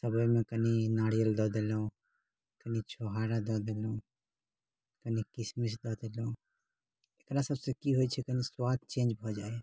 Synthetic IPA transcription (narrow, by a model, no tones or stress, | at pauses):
səbəjmẽkəninaɽijəld̪ɔd̪elũ | kənit͡ʃʰoɦaɾad̪ɔd̪elũ | kənikɪsmisd̪ɔd̪elũ | ekɾasəbsẽkiɦojt͡ʃʰɛkəniswat̪̚t͡ʃẽːnd͡ʒbʱɔd͡ʒaːe